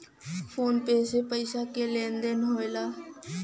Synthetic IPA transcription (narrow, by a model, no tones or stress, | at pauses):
pʰoːnpeːseːpəɪsaːkeːlẽːnd̪eːnɦoːelaː